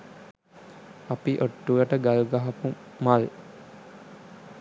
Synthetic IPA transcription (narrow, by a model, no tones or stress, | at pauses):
apiʔoʈːuʋəʈəɡaluɡaɦɐpumal